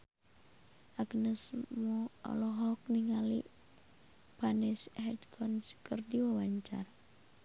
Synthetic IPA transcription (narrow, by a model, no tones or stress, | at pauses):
ʔaɡnəsmɔɔ̰lɔɦɔk̚niŋalḭʔ | panɛsɦɛdkʰɔnskərdiwawaɲt͡ʃa̰r